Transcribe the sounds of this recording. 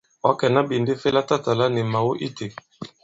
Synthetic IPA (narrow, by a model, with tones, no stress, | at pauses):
ɔ˦kɛ˨na˦bi˨nde˦fe˦la˦ta˦ta˨la˦nɛ˨ma˨wo˦ʔi˦te˨